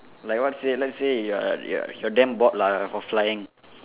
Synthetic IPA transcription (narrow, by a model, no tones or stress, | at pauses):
lajk̚wɔtselɛtsejjɔ̰jɔdɛ̃mbɔt̚lafɔflajɪ̃ŋ